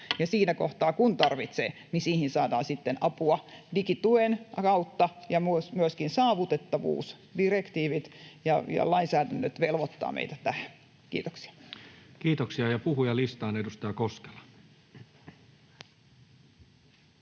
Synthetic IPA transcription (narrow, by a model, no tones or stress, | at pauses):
jɑsiːnækoht̪ɑːkunt̪ɑrʋit̪sḛː | nisiːhinsɑːdɑːnsit̪ːenʔɑpuɑdikit̪uenkɑut̪ːɑjɑmusmyøskinsɑːʋut̪et̪ːɑʋṵːs | direkt̪iːʋit̪jɑjɑ̰lɑinsæːdænːøt̪ʋelʋot̪ːɑ̰ːmḛit̪æt̪æh | kḭːt̪o̥ksi̥ɑ̥kiːt̪oksiɑjɑpuhujɑlist̪ɑːnedust̪ɑjɑkoske̥lɑ̥